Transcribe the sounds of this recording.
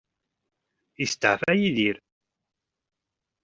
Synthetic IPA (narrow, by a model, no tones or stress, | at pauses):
ist̪ːə̰ʕfæjiðiɾ